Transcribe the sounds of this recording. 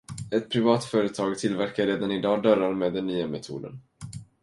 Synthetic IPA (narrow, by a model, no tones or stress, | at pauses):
ɛt̪pʰɾɪvɑːt̪fœːɾət̪ʰɑːɡt̪ʰɪlvæɾkaɾːeːd̪anɪd̪ɑːd̪œɾaɾmeːd̪ːɛnːyːamɛt̪ʰṵːd̪ə̰n